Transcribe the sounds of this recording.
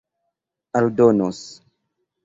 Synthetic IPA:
aldonos

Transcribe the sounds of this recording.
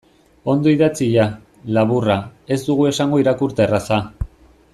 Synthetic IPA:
o̞nd̪o̞iðat͡siʎa | laβurae̞zd̪uɣ̞ue̞saŋɡo̞iɾakuɾt̪e̞rasa

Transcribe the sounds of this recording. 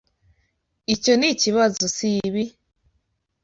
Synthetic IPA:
ico̞niciβazosiβi

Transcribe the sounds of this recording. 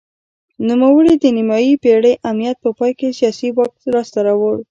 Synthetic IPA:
numawəɽid̪ənimɑjipeɽəjʔamnijat̪̚pəpɑjkesijɑsiwɑk̚t̪lɑst̪aɾɑwəɽ

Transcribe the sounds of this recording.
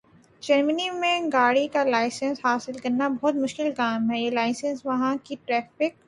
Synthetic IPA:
d͡ʒɐɾmənimẽɡaːɽikalaːɪsə̃nshaːsɪlkɐɾnabɐɦɔt̪mʊʃkɪlkaːmɦɛjelaːɪsə̃nsʋɐɦãkiʈɾɛːfɪk̚

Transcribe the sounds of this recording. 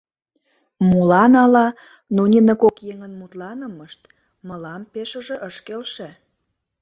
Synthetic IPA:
mulɑnɑlɑ | nonʲinəkokjeŋənmut̪lɑnəməʃt̪ | məlɑmpeʃəʒĕʔəʃkelʃĕ

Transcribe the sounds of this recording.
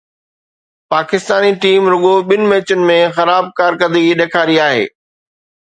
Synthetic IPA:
paːkɪst̪aːniʈiːmɾʊɠoɓɪnɪ̆mẽːt͡ɕʊnɪ̆mẽxɐɾaːb̚kaːɾkɐd̪ʱiɗeːkʰaːɾiaːɦḛː

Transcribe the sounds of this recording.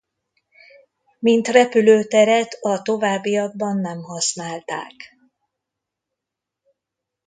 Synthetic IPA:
mint̪rɛpyløːt̪ɛɾɛt̪ɒt̪o̞vaːbːijɒɡ̚bɒnːɛmhɒsnaːlt̪a̰ːk

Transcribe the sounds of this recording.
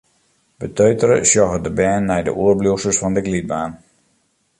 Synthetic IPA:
b̥ətøɥtəɾəsjɔɣədəbɛːnːɛjdə̰ʔuəɹblusəsfɔndəɡlid̚baːn

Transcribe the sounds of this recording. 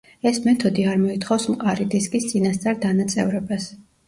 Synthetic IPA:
ɛsmɛt̪ʰɔd̪iaɾmɔit̪ʰχɔfsmqʼaɾid̪iskʼist̪sʼinast̪sʼaɾd̪anat̪sʼɛ̰vɾɛbas

